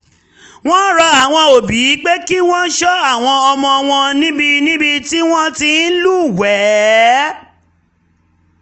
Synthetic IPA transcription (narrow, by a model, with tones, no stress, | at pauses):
w̃ɔ̃˦ɾɔ˧a˨w̃ɔ̃˧o˨bi˨i˨˦k͡pe˦ki˦w̃ɔ̃˦ʃɔ˦a˦˨w̃ɔ̃˧ɔ˧mɔ̃˧w̃ɔ̃˧nĩ˦bi˧nĩ˦bi˧ti˦w̃ɔ̃˦ti˧n̩˦lu˦˨wɛ˨˦